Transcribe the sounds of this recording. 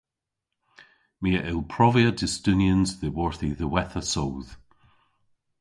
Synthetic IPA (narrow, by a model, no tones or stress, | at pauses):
miəʔɪlˠpʰɹ̥ɔviədɪstʉnjənzðəwɔɹθiðəwɛθəsowð̥